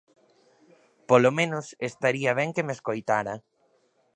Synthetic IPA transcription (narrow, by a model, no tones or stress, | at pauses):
polomẽnʊsest̪aɾiɐβ̞ɛŋkemeskojt̪aɾɐ